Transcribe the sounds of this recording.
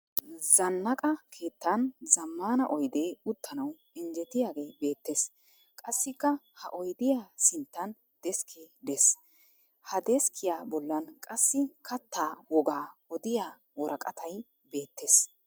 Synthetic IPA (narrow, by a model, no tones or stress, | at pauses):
zɐnːɐkʼɐkʰe̞ːt̪ːanzɐmːaːnɐʔɔjd̪eːʊt̪ːɐnɐw | ɪnd͡ʒɛt̪ɪjaːɡe̞ːbe̞ːt̪ːe̞ːs | kʼɐsːɪkːɐhɐʔɔjd̪ɪjaːsɪnt̪ːɐn | d̪̥ɛskʰed̪es | hɐd̪ɛskʰɪjaːbɔlːɐnkʼɐsːɪkʰɐt̪ːaːwɔɡaːɔd̪ɪjaː | wɔɾɐkʼɐt̪ʰɐj | be̞ːt̪ːeːs